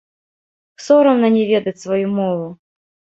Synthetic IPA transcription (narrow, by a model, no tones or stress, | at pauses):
sɔɾɐwnɐnʲɛvʲɛd̪ɐt͡sʲsvɐjumɔvˠʊ